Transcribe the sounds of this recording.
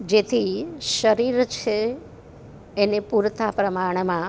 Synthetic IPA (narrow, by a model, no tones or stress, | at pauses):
d͡ʒet̪ʰiʃəɾiɾt͡ʃʰe | nepuɾt̪ʰapɾəmaɽ̃mã